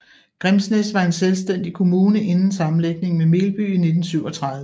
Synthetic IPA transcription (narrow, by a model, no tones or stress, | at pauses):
ɡ̥ʁɛmsnesʋɑ̈e̝nselsd̥en̰d̥ikʰo̝muːnəʔe̝nn̩sɑ̈mn̩leɡ̥̚ne̝ŋmeme̝ːlb̥y̰ine̝d̥n̩syʊ̰ɒ̽t͡sʰʁɑ̈ðˠə